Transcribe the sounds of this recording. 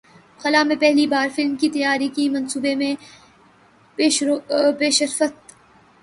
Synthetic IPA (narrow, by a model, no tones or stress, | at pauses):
xɐlaːmẽpɛɦlibaːɾfɪlmkit̪ɐjaːɾikimɐ̃nsuːbemẽ | peːʃəɾfət̪